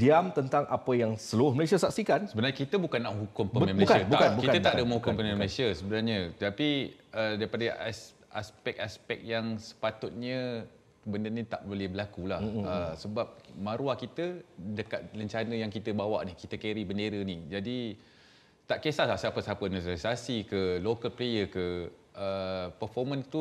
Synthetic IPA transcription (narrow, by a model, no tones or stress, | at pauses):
diamt̪ənt̪aŋʔapəjaŋsəluɾʊhməlesiasak̚sikansəbənaɾɲəkit̪əbukanːaʔɦukʊmpəmə̃mkəbuakbkitt̪ət̪aʔdəmə̃ŋhukʊmpəmemlesiəsəbənarɲət̪api | ədaɾipadas | aspɛk̚aspɛk̚jaŋsə̥pat̪ʊt̪̚ɲə | bəndənit̪a̰ʔbolɛhbəlakulahəsəbap̚mãɾuahkit̪ədəkat̪̚ləɲt͡ʃanəjaŋkit̪əbawa̰ʔnikit̪əkeɾibəndeɾənid͡ʒadi | t̪aʔkesalasapəsapənəsasasikəlokəlplejəkə | əpəfɔmə̃nt̪u